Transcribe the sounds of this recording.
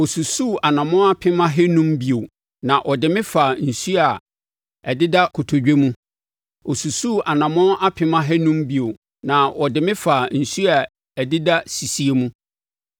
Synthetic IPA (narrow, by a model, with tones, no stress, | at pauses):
ɔ˨su˨su˦˨a˨nã˨mʊ̃˦a˦pʰɪ̃˦mã˦ɦɛ˦nũ˦mbi˨o˨ | nã˨ʔɔ˨dɪ˨mɪ̃˦fa˨n̩˨su˦a˨ | ɛ˨dɪ˦da˦kʰʊ˨tʰo˨d͡ʑᶣe˦mũ˦ | ɔ˨su˨su˦˨ʔa˨nã˨mʊ̃˦ʔa˦pʰɪ̃˦mã˦ɦɛ˦nũ˦mbi˨o˨ | nã˨ɔ˨dɪ˨mɪ̃˦fa˨n̩˨su˦a˨ | ɛ˨dɪ˦da˦si˨si˦e˦mũ˦